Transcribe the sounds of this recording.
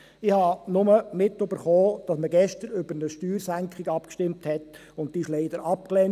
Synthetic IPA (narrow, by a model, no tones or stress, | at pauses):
ɪhɑnʊməmɪtøb̥əɾχoːd̥ɑsməɡɛʃtəɾʏbəɾnəʃtyːɾsæŋkχiɡɑpkʃtɪmthɛt | ʊnt̚tiːʃleɪd̥əɾɑpklɛn